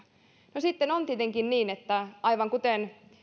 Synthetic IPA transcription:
nosit̪ːenont̪iet̪eŋkinniːnet̪ːæɑiʋɑŋkut̪en

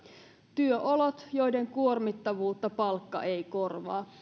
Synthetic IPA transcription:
t̪yøʔolot̪jo̞jde̞ŋkuo̞rmit̪ːɑʋuːt̪ːɑpɑlkːɑ̰ʔe̞jko̞rʋɑ̰ː

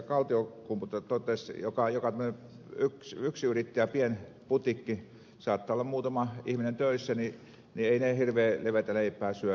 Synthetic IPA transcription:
kɑlt̪iokumput̪ɑt̪ot̪ːesjokɑjokɑt̪æmːəne | yksyksyrit̪ːæjæpien | put̪ikːi | sɑːt̪ːɑːolːɑmmuːt̪ɑmɑihminent̪øˑisːæni | nieinehirʋeːleʋet̪æleipˑæːsyø

